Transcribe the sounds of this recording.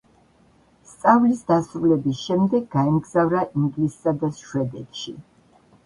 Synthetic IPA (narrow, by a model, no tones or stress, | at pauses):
st̪sʼavlisd̪asɾulɛbisʃɛmd̪ɛɡːaɛmɡzavɾaʔiŋɡlisːad̪asʃwɛd̪ɛt̪ʃḭ